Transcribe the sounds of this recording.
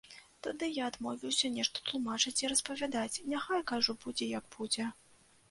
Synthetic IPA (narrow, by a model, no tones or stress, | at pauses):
t̪ad̪ɨjaːd̪mɔvʲiwsʲɐnʲɛʂt̪ɔ̥t̪lˠumat͡ʂɨt͡sʲiɾɐspɐvʲad̪at͡sʲnʲaxajkaʐubud͡zʲɛjɐɡ̚b̥ud͡zʲɛ